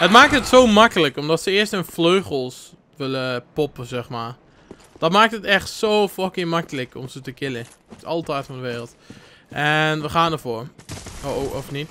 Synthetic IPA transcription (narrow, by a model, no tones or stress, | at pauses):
hətmaːk̚tətsoːmakələkɔmdɔtsəɪəstənfløːɣəlˠs | ʋɪləpɔpəzɛxmaːɹ | d̥ɔtmaːk̚tətɛxtsowfɔkɪmakələkʰɔ̰msətəkɪlə | tɔ̰lˠtɛjtfɔndəʋeːrəlˠt | ʔɛnʋəχaːndəfoːɹooʔɔfnit